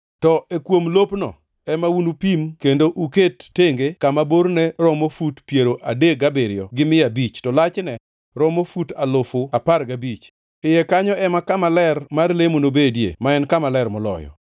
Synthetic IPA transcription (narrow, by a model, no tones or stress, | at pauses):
tɔekwomlopnɔ̰ | ɛmawunupimkendoʔuketːeŋɡekamaboɾnɛɾɔmofutpjeɾoʔadeɡabeɾɪjɔ̰ɡɪmɪabit͡ʃtɔlat͡ʃnɛ | ɾɔmofutalofʊapaɾɡabit͡ʃ | ɪjɛkaɲɔɛmakamalɛrmarlemonobedjḛmaɛnkamalɛrmɔlɔ̰jɔ̰